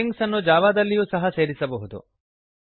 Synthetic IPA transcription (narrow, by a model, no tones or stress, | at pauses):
iŋɡsɐnːud͡ʒaːʋaːd̪ɐlːijuːsɐɦɐse̞ːɾisɐbɐɦud̪ṵ